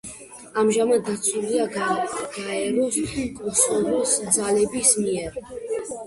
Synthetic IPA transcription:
amʒamad̪̚ːat̪sʰuliaɡ̥aɛɾɔskʼɔsɔɾɔsd̪zalɛbismiɛɾ

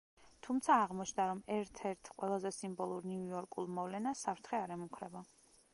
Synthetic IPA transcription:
t̪ʰumt̪sʰaːʁmɔt͡ʃʰnd̪aɾɔmɛɾt̪ʰɛɾt̪ʰqʼwɛlˠazɛsimbɔlˠuɾnuujɔɾkʼulˠmɔvlɛnasːapʰɾt̪ʰχɛaɾɛmukʰɾɛba

